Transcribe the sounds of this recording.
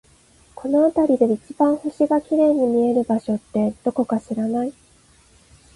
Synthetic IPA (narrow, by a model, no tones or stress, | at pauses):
ko̞no̞at̪aɾʲid̪e̞it͡ɕibãɰ̃hoɕiɡakʲiɾe̞ːɲ̟imʲie̞ɾɯ̟baɕo̞t̪ːe̞d̪̥o̞ko̞kaɕiɾanai